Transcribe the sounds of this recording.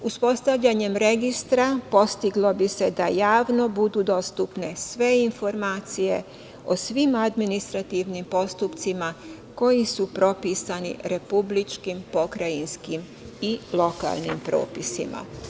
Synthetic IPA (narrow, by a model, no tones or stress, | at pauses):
uspo̞st̪aʋʎaɲe̞mɾe̞ɡist̪ɾapo̞st̪iɡlˠo̞bise̞d̪ajaːʋno̞bud̪uːd̪o̞st̪upne̞sʋe̞info̞ɾmaːt̪sije̞̰ | o̞sʋimad̪minist̪ɾat̪iʋnimpo̞st̪upt̪sima | ko̞jisupɾo̞pisanḭɾe̞publit͡ʃkimpo̞kɾajinskim | ilˠo̞ka̰lˠnimpɾo̞̰ːpisḭma̰